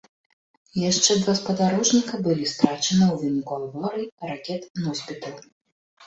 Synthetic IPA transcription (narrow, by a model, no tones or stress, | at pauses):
jaʂt͡ʂɛd̪vaspɐd̪aɾɔʐnʲikɐbɨlʲist̪ɾat͡ʂɐnɐwvʲinkɔlˠvɔɾɨrakʲɛt̪nɔsʲpʲit̪ɐlˠ